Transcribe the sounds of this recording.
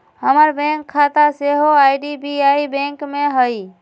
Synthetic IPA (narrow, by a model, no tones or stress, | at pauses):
həməɾbẽŋkʰːat̪aseɦoajɖibiaibẽŋkmeɦəj